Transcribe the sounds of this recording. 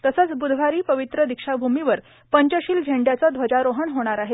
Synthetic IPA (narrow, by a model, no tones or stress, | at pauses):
t̪əsət͡sbud̪ʱʋ̤aɾiːpəʋit̪ɾəd̪ikʂabʱumiʋəɾ | pəɲt͡ɕəɕiːld͡ʑʱeɳɖjat͡sad̪ʱʋəd͡ʑaɾoɦəɳɦoɽ̃aɾaɦe